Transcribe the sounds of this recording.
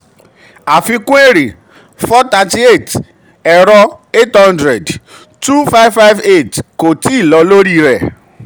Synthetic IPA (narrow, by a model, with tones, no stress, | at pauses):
a˨fi˧kũ˦e˦ɾi˨ | fɔ˦ta˧ti˦e˦˨t | ɛ˨ɾɔ˧e˦thɔ̃˦ndɾɛ˨d | tu˦fa˦jvfa˦jve˦˨tko˨ti˨˦i˦˨lɔ˧lo˦ɾi˦ɾɛ˨